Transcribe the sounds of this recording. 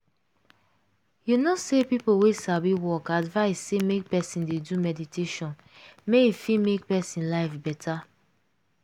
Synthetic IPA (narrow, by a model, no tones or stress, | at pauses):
junosepipowesabiwɔkadvaɪsːemek̚pɛsĩndedumɛditeʃɔ̃n | meifimek̚pɛsĩnlaɪfbɛtʰa